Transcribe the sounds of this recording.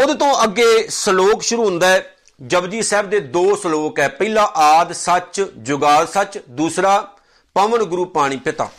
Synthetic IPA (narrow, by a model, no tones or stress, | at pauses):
ʊd̪t̪õːʔəɡeːsəloːkʃʊɾuːɦʊ̃nd̪aːɛː | d͡ʒəbd͡ʒiːsɛːbd̪eːd̪oːsəloːkɛːpəiːlaːʔaːd̪sət͡ʃd͡ʒʊɡaːlsət͡ʃd̪uːsɾaː | pəʋəɳɡʊɾuːpaːɽ̃iːpɪt̪a̰ː